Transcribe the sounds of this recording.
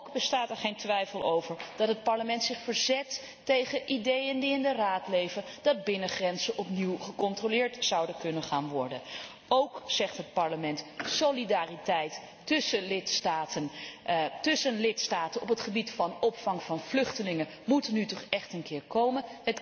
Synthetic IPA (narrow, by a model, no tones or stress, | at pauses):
kbəstaːtɛɹχejntʋɛjfəlˠowvəɹd̥ɑtɦət̚pɑɹləmɛntsɪχfəɹzɛtː | ejχəʔidejəndiɪndəraːtlejvəndɑd̚bɪnəχrɛnzəʔɔpniwχəkɔntrolɪːɹtzɑwdəkɵnəχaːnʋɔɹdə̰n | owksɛχtɦət̚pɑɹləmɛntsowlidaːritɛjtː | ɵsəlɪtstaːtən | tɵsənlɪtstaːtənɔpətχəbitfɑnɔpfɑŋv̥ɑnv̥lʏχtəlɪŋə | mutnytɔχɛχtənkɪːɹkowmənət